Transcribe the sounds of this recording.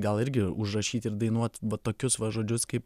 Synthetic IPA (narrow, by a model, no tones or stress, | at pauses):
ɡɐlˠɪɾʲɡʲɪʊʒrɐʃʲiːt̪ɪɾd̪ɐɪnuɔt̪ʋɐt̪oːkʲʊsʋɐʒoːd͡ʒʲʊskɐɪp